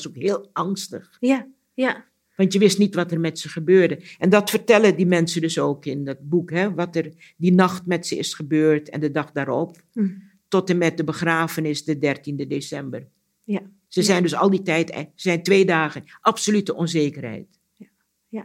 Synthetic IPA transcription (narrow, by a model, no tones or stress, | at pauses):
sokɦɪːlˠɑŋstəχ | ʋɑntjəʋɪstnitʋɑtɛrmɛtsəχəbøːɹdəʔɛndɑtfərtɛlədimɛnsəndɵsoːkɪndɑt̚bukɦɛʋɑtər | dinɑχtmɛtsəɪ̰sχəbøːrtɛ̰ndədɑχdaːɾɔp̚ | tɔtəmɛt̚dəbəχraːfənɪsdədɛrtindədesɛmbər | səzɛjndɵsɑlˠditɛjtzɛjntʋeːdaːχənʔɑpsolytəʔɔnzeːkərɦɛ̰jt